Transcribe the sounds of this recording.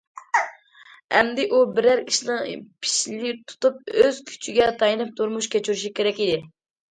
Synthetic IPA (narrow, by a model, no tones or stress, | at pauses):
ɛ̰md̪ɪʔubɪɾæɾʰi̥ʃnɨŋpʰi̥ʃlit̪ʰu̥t̪up̚øz̥kʲʰy̥t͡ʃʰiɡʲɛt̪ʰɑjɨnɨp̚t̪ʰuɾmuʃkʲʰet͡ʃʰyɾyʃ̬ukʲʰeɾɛkʲid̪ɪ